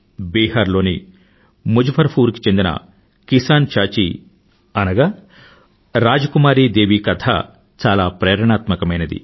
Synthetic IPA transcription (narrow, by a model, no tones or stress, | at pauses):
biːɦaːɾlo̞ːni | mud͡ʒupʰɐɾpʰuːɾki̥t͡ʃe̞nd̪inɐ̰ | kisaːnt͡ʃaːt͡ʃḭ | ɐnɐɡaː | ɾaːd͡ʒɐkumaːɾiːd̪eːʋiːkɐt̪ʰa̰ | t͡ʃaːlaːpɾɛːɾɐɳaːt̪mɐkɐmɐjnɐd̪ḭ